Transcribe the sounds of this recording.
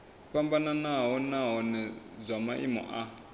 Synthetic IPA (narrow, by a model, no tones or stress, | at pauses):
ɸambananaɦɔnaɦɔnɛzʷamaʔḭmɔ̰ʔa